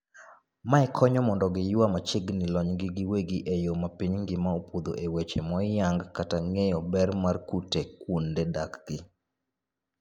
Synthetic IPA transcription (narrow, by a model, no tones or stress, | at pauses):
maɛkʰɔɲɔmɔndɔɡɪjʊwamat͡ʃɪɡnɪlɔɲɡɪɡɪweɡiʔejomapiɲŋɡɪmaopod̪o̰ʔewet͡ʃemɔjaŋɡkataŋejɔbɛrmarkutekwondedakɡ̥ɪ